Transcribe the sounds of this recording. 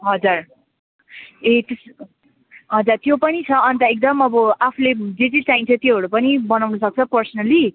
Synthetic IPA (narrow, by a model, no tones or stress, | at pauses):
ɦʌd͡zur | et̪es | ɦʌd͡zurt̪jopʌnit͡sʰʌʌnt̪ʌek̚d̪ʌmʌbʌapʰuled͡zet͡sit͡saĩnt͡sʰʌt̪joɦʌɽupʌnibʌnawnusʌk̚t͡sʰʌpʌrsʌnʌli